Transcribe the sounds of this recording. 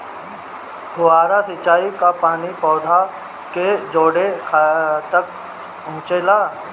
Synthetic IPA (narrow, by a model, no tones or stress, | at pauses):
ɡʱʊaːɾasɪt͡ʃaːikapaːnipɔːd̪ʱa | ked͡ʒoːɽekʰat̪ək | ʊ̃ːt͡ʃeːlaː